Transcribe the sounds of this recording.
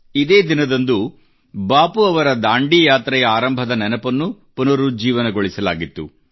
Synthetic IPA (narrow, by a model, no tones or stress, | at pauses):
id̪e̞ːd̪inɐd̪ɐnd̪u | baːpuɐʋɐɾɐd̪aːɳɖijaːt̪ɾɛjɐaːɾɐmbʱɐd̪ɐnɛnɐpɐnːupunɐɾud͡ʒiːʋɐnɐɡoɭisɐla̰ːɡit̪ːu